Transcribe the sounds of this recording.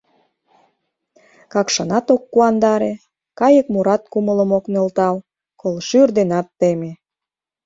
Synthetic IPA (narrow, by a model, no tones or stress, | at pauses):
kɑkʃɑnɑt̪okːuɑnd̪ɑɾe | kɑjəkmuɾɑt̪̚kumələ̆moknelt̪ɑl | kolʃyrd̪enɑt̪ːeme